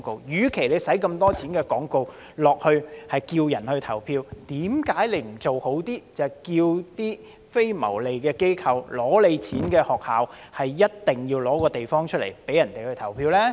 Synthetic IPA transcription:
ko˨˧wjyː˨˥kʰe˨˩jle˨˧jsɐ˨˥jkɐ˧mt̪ɔː˥t͡sʰiː˨˥nkɛː˧kɔː˨˥ŋko˨˧w | lɔː˨k̚hɵ˧hɐ˨jkiː˧wjɐ˨˩nhɵ˧ɥt̪ʰɐ˨˩wpʰiː˧wt̪iː˨˥mkaː˨˥jle˨˧jm̩˨˩t͡so˨who˨˥wt̪iː˥t͡sɐ˨kiː˧wt̪iː˥ | fe˥jmɐ̰˨˩wle˨jkɛː˧ke˥jkʰɐ˧wlɔː˨˥le˨˧jt͡sʰiː˨˥nkɛː˧hɔː˨k̚haː˨w | hɐ˨jːɐ˥t̚t̪ɪ˨ŋjiː˧wlɔː˨˥kɔː˧t̪e˨jfɔː˥ŋt͡ʃʰɵ˥lḛ˨˩jpe˨˥jɐ˨˩nt̪e˨jhɵ˧ɥt̪ʰɐ˨˩wpʰiː˧wlɛː˥

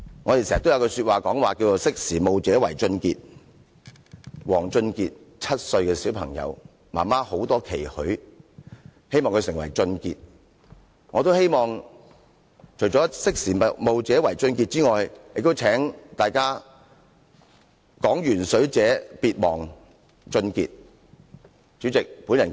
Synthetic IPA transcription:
ŋɔː˨˧te˨jse˨˩˨t̪wjɐ˧kɔ˧syː˧t̚waː˨kɔː˨˥ŋwaː˨ki˧wt͡so˨˧wsɪ˥k̚siː˨˩mo˨wt͡sɛː˨˥wɐ̰˨˩jt͡sɵ˧nkḭː˧t̚ | wɔː˨˩ŋt͡sɵ˧nkiː˧t̚ | t͡sʰɐ˥t̚sɵ˧ɥkɛː˧siː˨˥wpʰɐ˨˩ŋjɐ̰˨˧w | maː˨˩nmaː˥ho˨˥wt̪ɔː˥kʰe˨˩jhɵ˨˥ɥ | he˥jmɔː˨ŋkʰɵ˧sɪ˨˩ŋwɐ˨˩jt͡sɵ˧nkḭː˧t̚ | ŋɔː˨˧t̪o˥whe˥jmɔː˨ŋ | t͡ʃʰɵ˨˩ɥt͡ʃɔː˨˥sɪ˥k̚siː˨˩ɐ˨mo˨wt͡sɛː˨˥wɐ˨˩jt͡sɵ˧nki˧t̚t͡siː˥ŋɔː˨jjɪ˨k̚t̪o˥wt͡sʰɛː˨˥ŋt̪aː˨jkaː˥ | kɔː˨˥ŋjyː˨˩nsɵ˨˥ɥt͡sɛː˨˥piː˧t̚mɔː˨˩ŋ | t͡sɵ˧nkiː˧t̚ | t͡ʃyː˨˥t͡sɪ˨k̚puː˨˥njɐ˨˩n

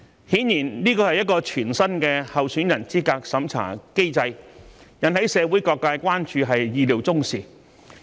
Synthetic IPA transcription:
hiː˨˥njiː˨˩nliː˥kɔː˧hɐ˨jɐ˥t̚kɔː˧t͡ʃʰyː˨˩nsɐ˥nkɛː˧hɐ˨wsyː˨˥njɐ˨˩nt͡siː˥kaː˧k̚sɐ˨˥mt͡sʰa̰ː˨˩ke˥jt͡sɐ˧jjɐ˨nhɐ˨˥jsɛː˨˧wuː˨˥jkɔː˧kːaː˧jkʷaː˥nt͡ʃyː˧ɦɐ˨jjiː˧liː˨˩wt͡sʊ˥ŋsiː˨

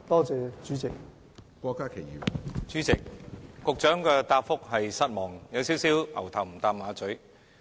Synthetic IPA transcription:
t̪ɔː˥t͡sɛː˨˧t͡ʃyː˨˥t͡sɪ˨k̚ | kʷɔː˧kːaː˥kʰe˨˩jḭː˨˩wt͡syː˨˥t͡sɪ˨k̚ːʊ˨k̚t͡ʃœː˨˥ŋkɛː˧t̪aː˧p̚fʊ˥k̚ɦɐ˨jsɐ˥t̚mɔː˨˩ŋjɐ˨˧wsiː˨˥wsiː˨˥wʔɐ̰˨˩wt̪ʰɐ˨˩wm̩˨˩t̪aː˧p̚mːaː˨˧t͡sɵ˨˥ɥ

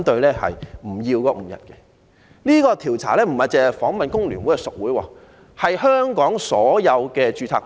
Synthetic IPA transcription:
nt̪ɵ˧ɥlɛː˥hɐ̰˨jm̩˨˩jiː˧wkɔː˨˧m̩˨˩jɐ̰˨t̚kɛ˧ | liː˥kɔː˧t̪ʰiː˨˩wt͡sʰa̰ː˨˩lɛː˥m̩˨˩hɐ˨jt͡sɛː˨ɐ˨˩jfɔː˨˥ŋmɐ˨nkʊ˥ŋlyː˨˩nwu˨˥jkɛ˧sʊ˨k̚wuː˨˥jwɔ̰ː˧ | hɐ˨jhœː˥ŋkɔː˨˥ŋsɔː˨˥jɐ˨˧wkɛː˧t͡ʃyː˧tʰaː˧˥

